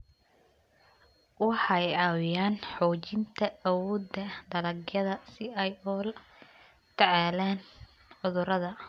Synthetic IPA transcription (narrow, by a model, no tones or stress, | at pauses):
wɑħɑjɑːwɪjaːnħɔːt͡ʃɪnt̪ʰɐːwɔːd̪ɐd̪ɐlɐɡjɐðɐsɪɛjɔl | t̪ʰɐʕɑːlaːn | ʕʊðʊɾɐðɐ